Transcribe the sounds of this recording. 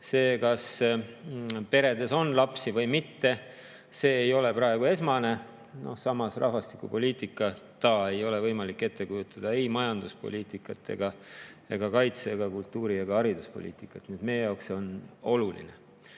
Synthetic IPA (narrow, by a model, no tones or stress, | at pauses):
se̞ːkɑs | pe̞ɾe̞d̪e̞so̞nlɑpsivɤ̞jmit̪ːe̞ | se̞ːjo̞le̞pɾɑe̞ɡ̥ue̞smɑne̞ | no̞̰hsɑmɑsrʔɑ̰hvɑst̪i̥kupo̞liːt̪ˑikːˑɑt̪ɑːe̞jo̞le̞vɤjmɑlikːe̞t̪ːe̞kujut̪ːˑɑd̪̥ɑe̞jmɑjɑnd̪̥uspo̞̰lʲiːt̪ikːˑɑt̪ːˑe̞̰ɡ̥ɑe̞ɡ̥ɑkɑjt̪seːɡ̥ɑkult̪ːˑuːɾiɑɡ̥ɑɑɾid̪uspo̞̰lḭːt̪ˑikːˑɑt̪nid̪̥me̞jejɑokso̞no̞lulḭne